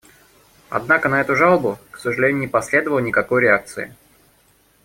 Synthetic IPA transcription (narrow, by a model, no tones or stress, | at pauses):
ɐ̰d̪nakənɐɛt̪ʊʐɑlˠəbʊksəʐɨlʲenʲʊnʲɪpɐsʲlʲe̞d̪əvəlˠənʲɪkɐkojɾʲɪak̚t̪sɨɪ̰